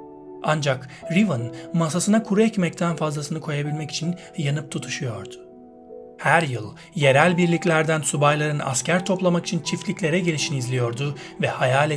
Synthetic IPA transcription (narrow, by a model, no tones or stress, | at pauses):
and͡ʒakɾivɯnmasasɯnakʰuɾuɛcmɛc̚t̪ʰænfazlˠasɯnɯkʰo̞jabilʲmɛci̥t͡ʃʰin | janɯp̚t̪ʰut̪ʰu̥ʃujo̞ɾd̪̥ʊ̥ | hæɾjɯlˠ | je̞ɾælʲbiɾlʲiclʲæɾd̪ænsubajlˠaɾɯna̰scʰæɾt̪ʰo̞plˠamaki̥t͡ʃʰint͡ʃʰiflʲicʲlʲe̞ɾɛɟe̞lʲiʃinizlʲijo̞ɾd̪ʊvɛhajaːlʲɛ